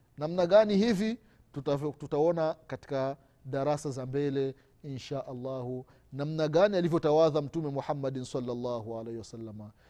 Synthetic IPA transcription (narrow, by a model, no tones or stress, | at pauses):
namnaɠanihivi | ututaɔnakati̥ka | ɗaɾasazambɛlɛ | inʃaʔalːahu | namnaɠanialivjɔtawaðam̩tumɛmuħamːaɗnsalːalːahualɛjhiwasalːama